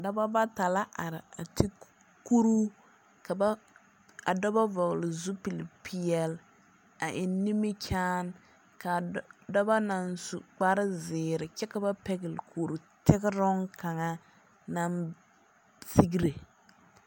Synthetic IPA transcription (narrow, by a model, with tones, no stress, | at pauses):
a˨da˦ba˦ba˦ta˨la˦ʔa˨ɾɪ˨a˨tʰi˦ | ku˦ɾu˦ | ka˨ba˦ | a˨dɔ˦ba˦vɔ˨ɣlɪ˨zu˦pi˨lpʰi˦˨ɛ˦l | a˨ʔɪ˨nːi˦mɪ˦kʲʰaː˦n | ka˨da˦ba˦na˨nsṵ˨k͡pa˦ɾɪ˦zɪː˨ɾɪ˨kɛ˦ka˨ba˦pɛ˦ɡɪ˨lkʰoː˨ɾu˨tɪ˦ɡɪ˦ɾɔ˦ŋ˦ka˨ŋa˦ | na˦n | si˦ɡi˦ɾe˨